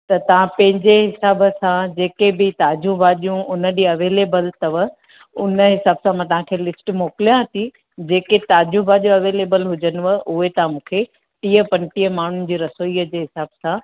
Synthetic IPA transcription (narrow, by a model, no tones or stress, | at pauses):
t̪ɐt̪ɐʋ̤ãpɐ̃ɦɪ̃ɲd͡ʑeɦɪsaːbəsãd͡ʑeːkebɪt̪aːd͡ʑũbaːɗijũʊnə̆ɗiːɐʋeːleːbəlt̪ɐʋə | ʊnəɦɪsaːbsãmãt̪ɐʋ̤ãkʰeːlɪsʈmoːkɪlijãɦət̪ʰi | d͡ʑeːket̪aːd͡ʑubʱaʄjũɐʋeːleːbəlɦʊd͡ʑənʊ̆ʋəʔʊɦet̪ɐʋãmũːkʰe | t̪iːəpɐ̃nʈiːəmaːɳ̤ʊnɪ̆d͡ʑiːɾɐsoːiːəd͡ʑeːɦɪsaːbsã